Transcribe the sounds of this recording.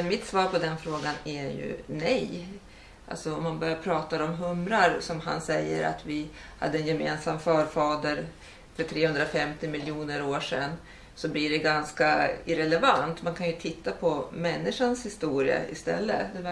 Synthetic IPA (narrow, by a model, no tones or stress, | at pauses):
ɛnmɪt̪svɑːɾpʰɔd̪ɛnfɾoːɡanæɾjɵ̰nɛj | ʔa̰lsɔɔmːanbœɾjaɾpʰɾɑːt̪aɾɔmɦɵmɾaɾsɔmɦa̰nsɛjːə̰ɾa̰t̪vɪha̰d̪ːəɛnjɛmeːnsamfœːɾfɑːd̪əɾ | fœʈʰɾeːhɵnd̪ɾafɛmt̪ɪmɪljuːnəɾoːʂɛ̰nː | sɔblɪɖɛɡanskaɪɾɛlɛvant̪mankʰanjɵt̪ʰɪt̪ʰːapʰɔmɛnːɪʂanshɪst̪uːɾɪə̰ɪ̰st̪ɛ̰lːə̰d̪ɛ